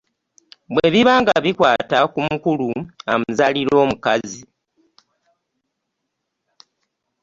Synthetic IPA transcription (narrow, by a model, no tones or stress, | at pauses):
bwe̞βiβaːŋɡaβikwaːtakumukuluamuzaliɾo̞ːmukazi